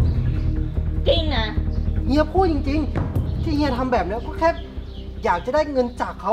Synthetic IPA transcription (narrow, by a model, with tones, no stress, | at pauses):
t͡ɕi˧ŋna˦˥hi˧˥ɐpʰuː˥˩t͡ɕi˧ŋt͡ɕi˧ŋt̪ʰiː˥˩hi˧˥ɐt̪ʰa˧mbɛː˨˩p̚na˦˥wkɔː˥˩kʰɛː˦˥˩p̚ | jaː˨˩k̚t͡ɕa˨˩˦daː˥˩jŋɤ˧nt͡ɕaː˨˩kʰːa˧˦˥